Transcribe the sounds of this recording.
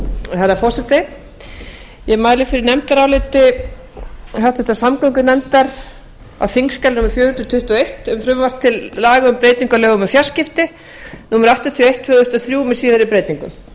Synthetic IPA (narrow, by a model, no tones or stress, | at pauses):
θaɾafɔr̥sɛt̪ɪ | jɛmaːjlɪfɪɾɪɾnɛmt̪aɾawlɪt̪ɪ | ɦawft̪ʏht̪asamkœŋkʏnɛmt̪aɾ̥ | a̰wθiŋkskalnuːmʏɾ̥fjʏːɾhʏnɾt̪ʰʏht̪uɔejht̪ɛmfɾʏmvar̥t̪ʰːɪlːaːɣʏʏmpɾeːjt̪niŋkalœːɣʏmɛfjar̥scɪft̪ɪ | nuːmʏɾaht̪at̪ʰiɔejht̪ʰvœːðʏst̪ɔθɾjuːmɛsiːðaɾipɾeːjt̪iŋkʏm